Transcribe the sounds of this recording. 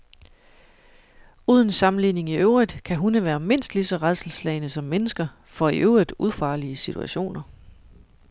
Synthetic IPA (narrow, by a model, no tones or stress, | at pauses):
uːð̞ˠn̩sɑ̈mn̩line̝ŋiøʊʁid̥kʰæɦunəʋæːɐme̝n̰sd̥lisɒ̽ʁaðˠsl̩slɛɪnəsɒ̽mːenəsɡ̥ɐ | fɒ̽iʔøʊʁid̥ˠuð̞̩ˠfɑ̈ːliəsit͡sʰṵæ̰ɕo̝̰ːnɐ